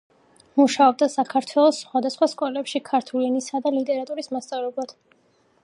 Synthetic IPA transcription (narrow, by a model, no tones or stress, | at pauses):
muʃaɔb̚d̪asakʰaɾt̪ʰwɛlˠɔsχwad̪asχwaskʼɔlɛpʃikʰaɾt̪ʰulinisad̪alit̪ʼɛɾat̪ʼuɾismast̪sʼalɔbat̪ʰ